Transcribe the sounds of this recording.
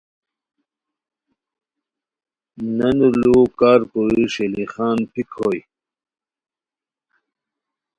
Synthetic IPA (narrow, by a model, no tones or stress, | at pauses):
nɐnuluːkaːɾkoiʂeliχaːnpikʰoj